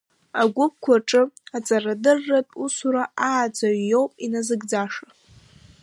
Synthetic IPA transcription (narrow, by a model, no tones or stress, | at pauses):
aɡʷʊp̚kʷʰaʈ͡ʂʼɨat͡sʼaradɨrːatʼusuɾaʔaːd͡zaɥjo̞wpʼinazɨɡd͡zaʂa